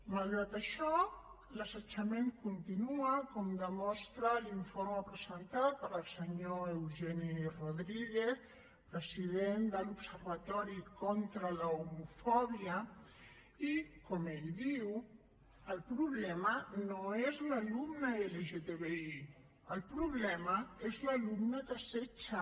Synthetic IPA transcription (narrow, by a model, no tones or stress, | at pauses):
malˠɣɾat̪əʃɔ | ləsət͡ʃəmeŋkunt̪inuəkɔmd̪əmɔst̪ɾəliɱfoɾməpɾəzənt̪at̪̚pəɾəlˠsəɲoewʒɛniroðɾiɣeθ | pɾəziðend̪əlupsərβat̪ɔɾikɔnt̪ɾələumufɔβiə | ikɔmeʎðiw | əlˠpɾuβlɛmənoezləlumnəeleʒet̪eβei | əlˠpɾuβlɛməezləlumnəkəset͡ʃə